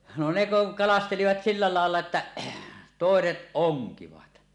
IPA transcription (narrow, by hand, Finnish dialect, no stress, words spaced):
no ne kuŋ kɑlɑsteliʋɑt silːɑ lɑˑelːɑ etːæ toˑeset oŋkiʋɑt